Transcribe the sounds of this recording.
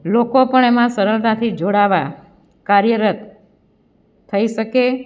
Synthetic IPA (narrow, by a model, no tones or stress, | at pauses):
lokopəɳemãsəɾəlnat̪ʰid͡ʒoɽaʋa | kaɾjəɾət̪ | əiʃəke